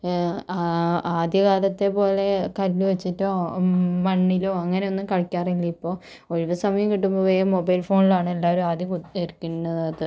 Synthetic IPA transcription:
aːd̪ʱjɐkaːlɐt̪ːe̞po̞ːle̞kɐlːuʋɐt͡ɕːitːoːmɐɳːiloːɐŋːɐne̞o̞nːumkɐɻɐkʲːaːriilːɐipːo̞ː | oɻiʋɐsɐmɐjɐmkiʈːumbɐʋeːjɐmobɐjlfo̞ːɳilaːɳɨe̞lːaːoɾuaːd̪ʱjɐkueɾkʲːunːɐðɐðɨ

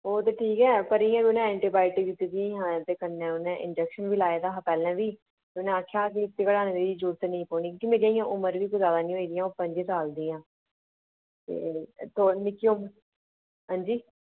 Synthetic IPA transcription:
oːt̪eːʈʰiːkɛːpəɾiːãːkiʊnẽːɛ̃ːɳʈiːbaːɪʈɪɡit̪iːd̪ĩɦãːt̪eːkəɾnɛ̃ːʊnẽːʔɪ̰nd͡ʒɛkʃənʋiːlaːeːd̪aːɦəpɛːlɛ̃ːʋiː | t̪eʊnẽːaːkʰːjaːk̬iɪt̪ːeːkəɽaːnẽːd̪eiːd͡ʒuːɾt̪enəĩːpɔːɽ̃ĩːkõːkimeːɾiaːĩjãːʔʊməɾʋiːkoizjaːd̪aːnĩːɦoiːd̪ijãːoːpə̃ɲd͡ʒiːsaːld̪iːãː | t̪ḛːt̪oːnɪkːiʊməɾ | ɦãːnd͡ʒiː

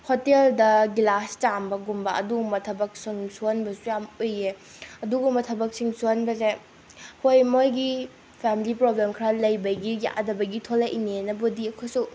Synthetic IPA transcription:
hoteldɐɡilast͡ʃambɐɡumbɐɐ̰duɡumbɐtʰɐbɐk̚siŋsuonbɐsujamoje | ɐduɡumbɐtʰɐbɐk̚siŋsuonbɐze | hojmojɡi | pʰemilipɾoblemkʰɾalɐjbɐɡija̰ʔdɐbɐɡitʰolaʔinenɐbodiɐkʰojsu

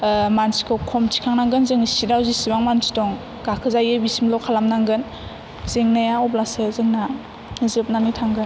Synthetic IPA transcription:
mansi̥kʰɯwkʰɔmtʰi̥kʰaŋnaŋɡɯnzɯŋsidawzisibaŋmansi̥dɔŋ | ɡ̥akʰɯzajɯbisimlɔkʰalamnaŋɡɯn | zɯŋnajaɔblasɯzɯŋna | zɯp̚nanitʰaŋɡɯn

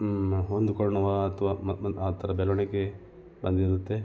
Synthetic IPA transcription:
ond̪ukɐɽɐɳɐʋat̪ʰʋaaːt̪ʰɐɾɐbɛloɳeke | bɐnd̪iɾut̪ːe

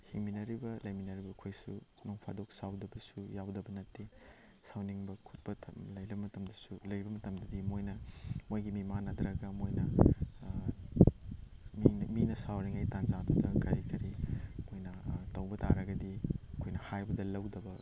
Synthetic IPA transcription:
hiŋminɐɾibɐlɐjminɐɾibɐkʰojsṵknoŋpʰa̰dok̚sawdɐbɐsujawdɐbɐnɐtːi | sawniŋbɐkʰut̚pɐtʰɐlɐjlɐbmɐtɐmdɐsulɐjɾbɐmɐtɐmdɐdimojnɐmojɡimimanɐdɾɐɡɐmojnɐ | minminɐsawniŋajtanzadudɐkɐɾikɐɾimojnɐtɐwbɐta̰ɾɐɡɐdiɐkʰojnɐhajbɐdɐlɐwdɐbɐ

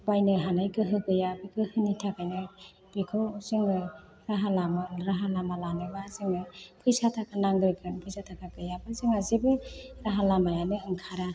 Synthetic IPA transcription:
bajnɯɦanajkɯɦɯkɯjabɯkɯhɯnitʰakajnɯ | b̥ikʰɯwzɯŋɯ | ɾaɦalamaɾaɦalamalanɯbazɯŋɯpʰɯjsatʰakʰanaŋɡɾkʰɯnpʰɯjsatʰakʰaɡɯjabɯzɯŋazebɯɾaɦalamajanɯɯŋkʰaɾa

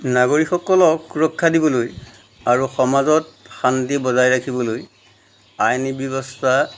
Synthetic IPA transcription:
naɡoɹixɔkɔlɔkuɹɔkʰːadibɔloj | aɹuxɔmazɔtxantibɔzajɹakʰibɔloj | ajnibjɔbɔstʰa

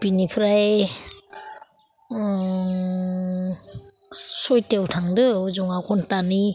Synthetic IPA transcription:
pinipʰɾaj | sɔjtewtʰaŋdɯzɔŋakʰɔntani

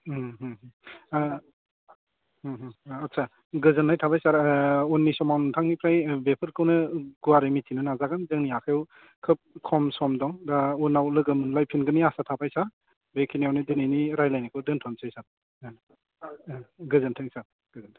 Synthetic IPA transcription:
ɦɦ | hɦːtsʰa | ɡɯzɯnːajtʰabajsaɾunːisɔmawntʰaŋnipʰɾajbepʰɯɾkʰɯwnɯɡuaɾimitʰinɯnazaɡɯnzɯŋniakʰajɔw | kʰɯp̚kʰɔmsɔmdɔŋdaunːawlɯɡɯmɯnlajpʰinɡɯniasatʰapʰajsa | bekʰiniawnidinajniɾajlajnikʰɯwdɯntʰɔnsajsaɾ | ɡɯzɯntʰɯŋsaɾ | ɡ̥ɯzɯntʰ

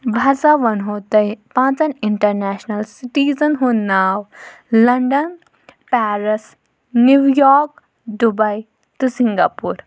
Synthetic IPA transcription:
bʱasaʋɐnɦot̪ɐjpãt͡sɐniɳʈɐɾnɛsnɐlsiʈizənɦunaːw | lɐɳɖən | pɛɾəs | nːjuwjɔɾk | d̪ubɐj | t̪usiŋɡapuɾ

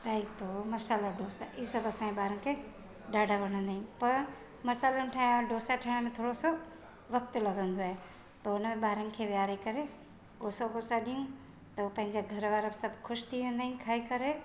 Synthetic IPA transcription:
ɾaːit̪omɐsaːlaɖoːsaʔisɐbɐsãːeɓaːɾəmkʰe | ɖaːɖʱaʋɐɽ̃ə̃nd̪aːĩpɐɾ | mɐsaːlənʈʰãɖoːsaʈʰɐɽ̃mẽt̪ʰoːɽoso | ʋɐk̚t̪lɐɡʱə̃nd̪oaːɦe | t̪ɐʊnəmẽɓaːɾənkʰeʋjaːɾekɐɾe | ɡoːsoɡoːsaɗijũ | t̪ɐupɐ̃ɦɪ̃ɲd͡ʑaɡʱɐɾʋaːɾabisɐbʱxʰʊʃt̪ʰiʋẽːnd̪aːɦĩnkʰaːɦikɐɾe

